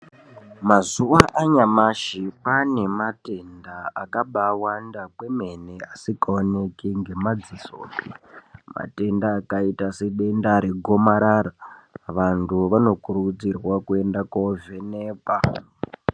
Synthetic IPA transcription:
mazuʋaʔaɲamaʃipane̞mate̞ndaakaɓawandakwe̞me̞neasikaone̞kiŋɡe̞mad͡ziso̰ːpima̰te̞ndaːkaitase̞ɓe̞ndaɾe̞ɡʱo̞maɾaɾaʋantʰuʋano̞kurud͡zirwakue̞ndakove̞neːpa

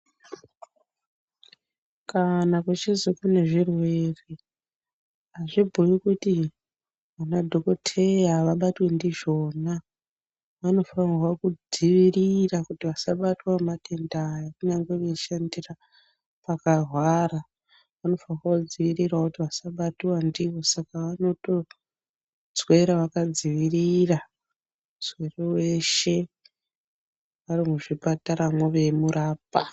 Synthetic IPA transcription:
kanakut͡ʃizikune̞ʐirwe̞ri | aʐibʱujikuti | ʋanadʱokotʰe̞jaʋaɓatwe̞ndiʐo̞ːna | ʋano̞fanirwakud͡ziʋirirakutiʋasaɓatwamatʰendajakuɲaŋɡeʋeʃandira | pakarwaɾa | ʋano̞fanrwakud͡ziʋirirwakutiʋasaɓatiwandiʋo̞sakaʋano̞to̞ | zwe̞ɾaʋakad͡ziʋirira | zwe̞rewe̞ʃe̞ | ʋarimuʐipataɾamwoʋe̞muɾaːpa

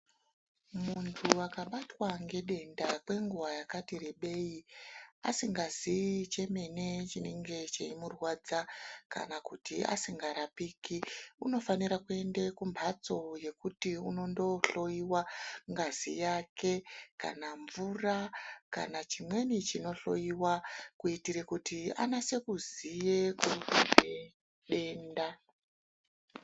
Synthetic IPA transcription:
muntʰuakaɓatwaŋɡe̞ɗe̞ndakwe̞ŋɡuwajakatireɓe̞iasiŋɡazit͡ʃe̞me̞ne̞t͡ʃine̞ŋɡe̞t͡ʃeimurwaːd͡zaka̰nakutia̰siŋɡaɾapiːkiuno̞faniɾakue̞ndekumbʱat͡so̞je̞kutiuno̞ndo̞ɬo̞jiwaŋɡazḭjake̞ka̰naɱvuraka̰nat͡ʃimwe̞nit͡ʃino̞ɬo̞̰jiwakuitiɾekutia̰nase̞kuzijekuue | ɗe̞ːnda

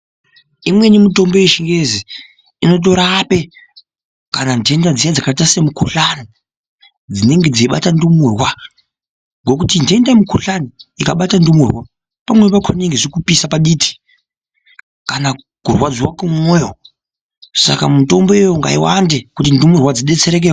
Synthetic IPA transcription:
imwe̞nimito̞mbojeʃiŋɡezi | ino̞t̬o̞ɾape̞ | kanande̞ndad͡zijad͡zakaitase̞mukuɬani | d͡zine̞ŋɡe̞d͡ziiɓa̰tandumurwa | ŋɡo̞kutindendamukuɬaniikaɓatandumurwa | pamwepakʰoneŋɡeʐikupisapaɗitʰi̥ | kana | ɡ̥ʱurwad͡ziwakumoːjo | sa̰kamuto̞mbojejoŋɡa̰iwa̰nde̞kutindumurwad͡ziɗe̞t͡se̞ɾe̞k̬e

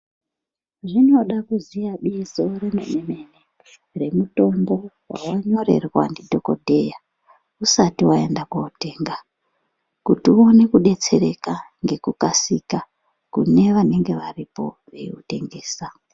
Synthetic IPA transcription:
ʐino̞ɗakuzijaɓizo̞remḛneme̞ne | re̞muto̞mbo̞wa̰waɲo̞ɾe̞̰rwa̰ndidʱoko̰dʱe̞ja | usatiwae̞ndakaute̞ːŋɡa | kutiuone̞kuɗe̞t͡se̞ɾe̞̰kaŋɡe̞kukasika | kṵne̞ʋane̞ŋɡe̞ʋaripo̞̰ | ʋḛṵte̞ŋɡeːsa

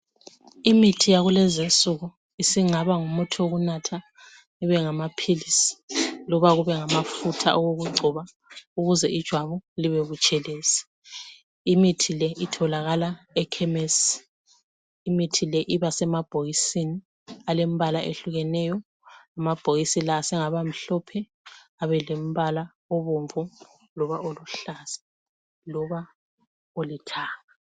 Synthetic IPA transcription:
imitʰijaɣulɛzensʼuɣu | isiŋ͡ǀʱaβaŋumutʰuoɣunatʰa | iβɛŋamapʰilisi̥lɔβaɣuβɛŋamafutʰa̰ʔɔwoɣuɡ͡ǀʱuβa | uɣuzɛid̥ʒ̥ʱwaβuliβeβut͡ʃʼɛleːsɛ̥ | imitʰilɛʔitʰɔlaɣala | ɛkʰɛmes | imitʰilɛʔiβasɛmab̥ʱoɣisini | alem̩βalaʔeɬuɣɛnɛjɔ | amab̥ʱoɣisilaːsɛŋaβam̩ɬɔpʰɛ | aβɛlem̩βala | oβoɱvu | lɔβaʔoluɬaz̥ḁ | lɔβa | olitʰaːŋa

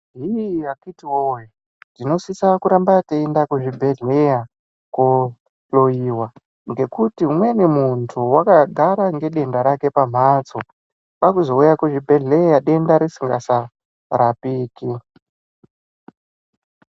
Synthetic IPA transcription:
ɦiakitiwoji | dino̞sisakuɾambateendakuʐibʱe̞ɮeja | ko | loiwa | ŋɡe̞kutiɦumwe̞nemuntʰuwakaɡʱaɾaŋɡe̞ɗe̞ndaɾake̞pam̤at͡so | ɓakuzo̞ujakuʐibʱe̞ɮe̞jaɗe̞ndaɾesiŋɡasa | ɾapiːki

